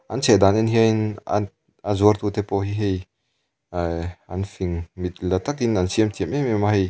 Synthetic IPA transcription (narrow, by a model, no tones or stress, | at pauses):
ʔansʰɛd̪anɛnɦiəna̰ | azuərt̪ut̪ɛpɔɦiɦej | anfiŋmit̪̚lat̪ak̚dinansiəmt̪ʰiəmʔɛmemahej